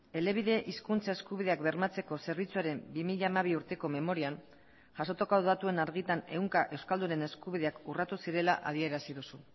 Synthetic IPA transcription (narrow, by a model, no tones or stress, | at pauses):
e̞le̞β̞iðe̞ʔiskunt͡sae̞skuβiðe̞akbe̞ɾmat͡se̞ko̞se̞ɾβ̞it͡suaɾe̞mbimiʎaːmaβ̞iuɾt̪e̞ko̞me̞mo̞ɾian | ʝasot̪okoðuðat̪ue̞naɾɣit̪ane̞uŋkaʔe̞wskald̪une̞ne̞skuβ̞iðeakurat̪usiɾe̞laʔað̞ie̞ɾasiðusu